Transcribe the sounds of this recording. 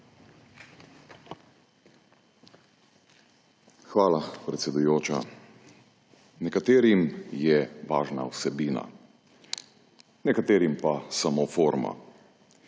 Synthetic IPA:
xʋaːlapɾɛt̪sɛd̪ujoːt͡ʃa̰ | nɛkat̪eːɾimjɛʋaːʒna̰wsɛbiːna̰ | nɛkat̪eːɾimpasamofoːɾma̰

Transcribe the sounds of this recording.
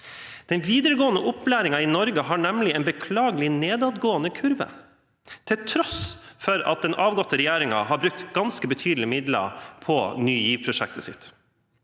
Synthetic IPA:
d̪̥ɛnʋiːd̪əɾəɡoːənəʔʊplæːɾɪŋɑiɪnɔɾɡəɦɑːɳɛmlɪɛnbəkʰlɑːɡəlɪneːd̪ɑːd̪ɡoːənəkʰʉɾʋə̰ | t̪ʰɪlt̪ʰɾɔsfɔɾɑ̰t̪̚d̪ɛnʔɑːʋɡɔt̪ːəɾɛjæːɾɪŋɑɦɑɾbɾʉk̚t̪ɡ̥ɑnskəbət̪ʰyːd̪l̩ɪmɪd̪lə̰pʰɔnyːjiːʋpʰɾʊʂɛ̰k̚t̪əsɪ̰t̪ː

